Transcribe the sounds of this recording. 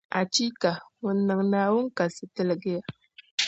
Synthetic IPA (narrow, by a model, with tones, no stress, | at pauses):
a˨t͡ʃi˦ka˨ŋʊ˨nːɨ˨ŋnaː˨wʊ˦ŋ˦ka˨sɨ˨tɨ˦lɪ˨ɡɪ˦ja˨